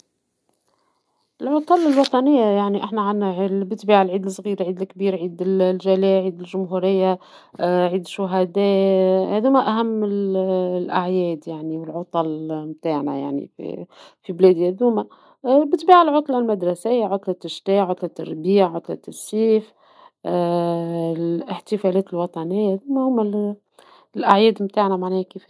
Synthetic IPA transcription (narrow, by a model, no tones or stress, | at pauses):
ʔɪlʕot̪ˤɑlɪlwɑt̪ˤɑnɪjːajaʕniʔaħnæʕanʕilbɪt̪biːʕalʕiːd̪lsˤɣiːɾʕiːd̪lkbiːɾʕiːd̪ɪllʒælæːʕiːd̪ɪlʒʊmɦuɾɪjːa | ʕiːd̪ɪʃːʊɦæd̪ɛːhæd̪uːmæʔæɦæmːɪllʔa̰ʕjɛːd̪jaʕniwɪlʕot̪ˤɑlmt̪aːʕnæ̰ja̰ʕnḭfḭfiblɛːd̪hæd̪uːmæ | bɪt̪biːʕalʕʊt̪ˤlɑlmæd̪ɾˤɑsɪjːaʕʊt̪ˤlɑt̪ːɪʃt̪ɛːʕʊt̪ˤlɑt̪ɑrbiːʕʕʊt̪ˤlɑt̪ːɪsˤːiːf | ɪħt̪ɪfælɛːt̪ɪlwɑt̪ˤɑnɪjːahæd̪uːmæhʊmæ | lʔaʕjɛːd̪mt̪aːʕnæmaʕnɛːhkiːf